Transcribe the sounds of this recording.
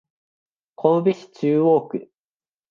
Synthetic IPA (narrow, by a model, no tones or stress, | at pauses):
kʰõbiɕʲi̥t͡ɕɨːoːkɯ̟